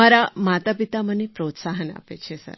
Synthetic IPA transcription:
aɾamat̪apit̪amənepɾot̪saɦəna̰pet͡ʃʰesə̰ɾ

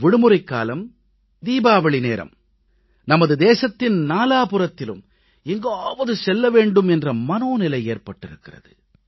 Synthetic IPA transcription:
ʋɪɽɯmɯɾɐɪkːa̰ːlɐm | d̪iːbaːʋɐɭɪneːɾɐ̰m | nɐmɐðɯd̪eːsɐt̪ːɪnnaːlaːpɯrɐt̪ːɪlɯm | ɛŋɡaːʋɐðɯsɛlːɐʋeːɳɖɯmɛndrɐmɐnoːnɪlɐɪeːrpɐʈːɪɾɯkːɪrɐ̰ðɯ

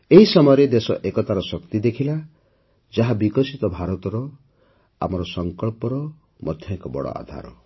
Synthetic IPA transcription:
eɦisɔmɔjɔɾed̪esɔ̰ʔekɔt̪aɾɔsɔkt̪id̪ekʰila | d͡ʒaɦabikɔsit̪ɔbʱaɾɔt̪ɔɾɔ | a̰mɔɾɔsɔŋkɔɭpɔɾɔ | mʔɔd̪ʱjɔkɔbɔ̰ɽɔ̰a̰d̪ʱa̰ɾɔ̰

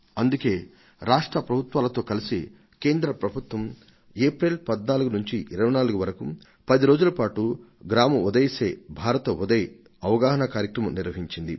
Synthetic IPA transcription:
ɐnd̪uke̞ː | ɾaːʂʈɾɐpɾɐbʱut̪ʋaːlɐt̪o̞ːkɐlisi | ke̞ːnd̪ɾɐpɾɐbʱut̪wɐm | eːpɾelpɐd̪naːluɡunuɲt͡ʃiʔiɾɐʋɐjnaːluɡuʋɐɾɐku | pɐd̪iɾo̞ːd͡ʒulɐpaːʈuɡɾaːmɐud̪ɐjse̞ːbʱaːɾɐt̪ɐud̪ɐj | ɐʋɐɡaːɦɐnɐkaːɾjɐkɾɐmɐmniɾʋɐɦiɲt͡ʃind̪ḭ

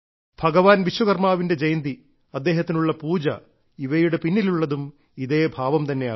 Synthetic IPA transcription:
b̥ʱɐɡɐʋaːnʋiɕwɐɣɐrmaːʋinde̞d͡ʑɐjnd̪i | ɐd̪ːe̞ːɦɐt̪ːinuɭːɐpuːd͡ʑɐ̰ | iʋɐjuɽe̞pinːiluɭːɐðum | iðeːbʱaːʋɐmt̪ɐnːe̞aː

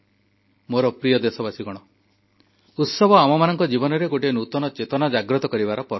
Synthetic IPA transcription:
moɾɔpɾijɔd̪esɔbasiɡɔɽ̃ɔ | ut̪sɔbɔamɔmanɔŋkɔd͡ʒibɔnɔɾeɡoʈienut̪ɔnɔt͡ʃet̪ɔnad͡ʒaɡɾɔt̪ɔkɔɾibaɾɔpɔɾ

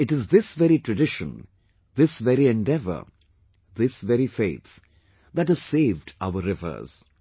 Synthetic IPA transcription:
ɪʈɪzðɪsʋɛɾiʈɾəɖɪʃə̰̃n | ðɪsʋɛɾiɛ̃nɖɛvə̰ | ðɪsʋɛɾifeɪt̪ | ðæʈhəz̥seːvɖa̰ʊəɾɪvə̰˞z̥

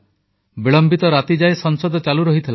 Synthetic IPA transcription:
biɭɔmbit̪ɔɾat̪id͡ʒajsɔnsɔd̪ɔt͡ʃaluɾɔɦit̪ʰil

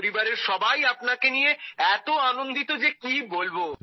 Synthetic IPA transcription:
ɾibaɾeɾʃɔbajapnakenijeɛt̪oanond̪it̪od͡ʑekibolbo

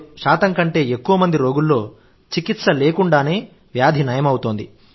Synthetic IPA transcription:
ʂaːt̪ɐŋkɐɳʈe̞ːekːuʋɐmɐnd̪iɾo̞ːɡulːo̞ː | t͡ʃikit̪sɐle̞ːkuɳɖaːne̞ː | ʋjaːd̪ʱinɐjɐmɐwut̪oːnd̪ḭ

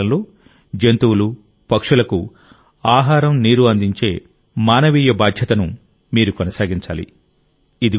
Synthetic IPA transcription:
ɐmloː | d͡ʒent̪uwlu | pɐkʂulɐku | aːɦaːɾɐmniːɾuɐnd̪iɲt͡ʃe̞ː | maːnɐʋiːjɐbaːd̪ʱjɐt̪ɐnu | miːɾukonɐsaːɡiɲt͡ʃa̰ːlḭ | id̪i

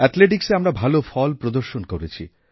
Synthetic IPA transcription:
ɛt̪leʈ̬ikseamɾabʱalofʰɔlpɾod̪oɾʃonkoɾet͡ɕʰḭ

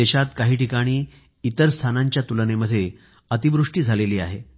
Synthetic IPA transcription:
eɕat̪kaɦiːʈikaɽ̃iː | it̪əɾst̪ʰanaɲt͡ɕjat̪uləneməd̪ʱːje | ət̪iʋɾuʂʈiːd͡zʱaleliːaɦḛ

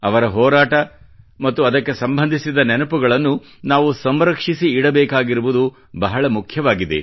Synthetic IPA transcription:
ɐʋɐɾɐɦɔːɾaːʈɐ | mɐt̪ːuɐd̪ɐkːe̞sɐmbɐnd̪ʱisid̪ɐnɛnɐpuɡɐɭɐnːu | naːʋusɐmɾɐkʂisiːɽɐbɛːkaːɡiɾuʋud̪u | bɐɦɐɭɐmukʰjɐʋaːɡid̪ḛ

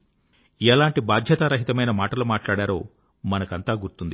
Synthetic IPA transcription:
ɛːlaːɳʈibaːd̪ʱjɐt̪aɾɐɦit̪ɐmɐjnɐmaːʈɐloːmaːʈlaːɽaːɾo̰ː | mɐnɐkɐnt̪aːɡuɾt̪und̪i

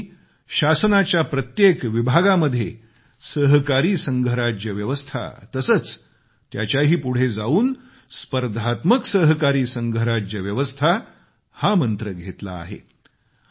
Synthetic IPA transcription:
ɕasənat͡ɕjapɾət̪jekʋibʱaɡaməd̪ʱːje | səɦkaɾiːsəŋɡʱəɾad͡ʑjəʋjəʋəst̪ʰa̰t̪əsət͡s | t̪ja̰t͡ɕjaɦiːpuɽ̤ed͡zauːn | spəɾd̪ʱat̪məksəɦkaɾiːsəŋɡʱəɾad͡ʑəʋjəʋəst̪ʰa | hamənt̪ɾəɡʱet̪la̰ːɦḛ

